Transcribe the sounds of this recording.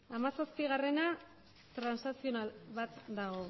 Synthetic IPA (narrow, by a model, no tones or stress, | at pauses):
amasaspiɣare̞na | t̪ɾansnasio̞naβat̪d̪aɣ̞o̞